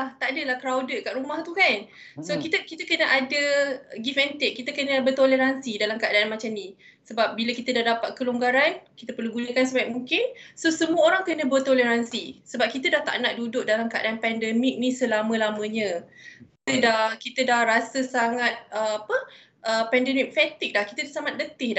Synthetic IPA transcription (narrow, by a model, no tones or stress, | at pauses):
laht̪aʔadəlahkəɾawdəkaʔɾumaht̪ukan | sokit̪əkit̪akənəʔadəɡifɛnt̪ekkːit̪akənəbərt̪oleɾansidalamkəadaanmat͡ʃamni | səbap̚biləkit̪ədahdapat̪̚kəluŋɡaɾankit̪əpərluɡunəkansəbajaʔmuŋkɪnsosəmuəoɾaŋkənə̃bərt̪oleɾansisəbap̚kit̪adaht̪a̰ʔnaʔ̚dudʊk̚dalamkəʔa̰daanpɛndɛmik̚nisəlamə̃lamə̃ɲə̃kit̪ədahkit̪ədahrasəsaŋat̪̚əapə | ʔəpɛndɛmik̚fɛt̪ɪk̚dahki̥t̪adasamat̪̚lət̪ɪhda